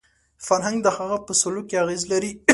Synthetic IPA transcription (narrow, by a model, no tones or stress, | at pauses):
faɾɦaŋɡd̪əhaɣapəsʊlukeaɣezlaɾi